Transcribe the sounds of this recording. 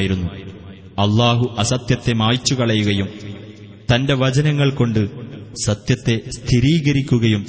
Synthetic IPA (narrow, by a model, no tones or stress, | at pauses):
jiɾunːu | ɐlːaːɦuʔɐsɐt̪jɐt̪ːe̞maːjt͡ɕːukɐɭɐjuɣɐjum | t̪ɐnde̞ʋɐd͡ʑɐnɐŋːɐɭko̞ɳɖɨsɐt̪jɐt̪ːe̞st̪ʰiɾiːɣɐɾikʲːuɣɐjum